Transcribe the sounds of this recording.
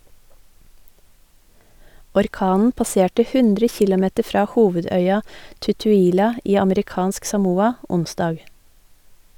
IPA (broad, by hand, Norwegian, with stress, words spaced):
ɔɾˈkɑːnn̩ pɑˈseːʈə ˈhʉndɾə ˈçɪlɔˌmɛtə ˈfɾɑː ˈhuːʋəˌdœʏɑ tʉtʉːˈiːlɑ ˈiː ɑməɾɪˈkɑːnsk sɑˈmuːɑ ˈʊnˌsdɑːɡ